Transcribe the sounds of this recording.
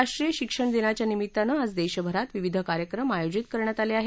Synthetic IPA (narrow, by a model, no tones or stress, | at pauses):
aʂʈɾijəɕikʂəɳd̪inat͡ɕjanimit̪ːanaəd͡zd̪eɕəbʱəɾat̪ʋiʋid̪ʱəkaɾjəkɾəmajod͡ʑit̪kəɾɳjat̪aleaɦe